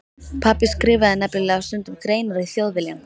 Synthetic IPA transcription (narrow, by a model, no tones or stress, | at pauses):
pʰaːpɪskɾɪːvaðɪnɛplɪlɛːɣast̪ʏnt̪ʏmkɾeːjnaɾɪiθjoːwðɪlɛam